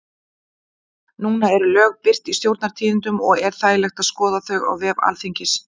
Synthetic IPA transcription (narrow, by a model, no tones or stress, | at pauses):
nuːnaɛɾʏlœːɣpɪr̥t̪ist̪jowɾt̪naɾ̥t̪ʰiːðɪnt̪ʏmɔɣɛɾ̥θaːjlɛxt̪aðskɔːðaθœɣa̰ɣvɛːva̰lθiɲcɪs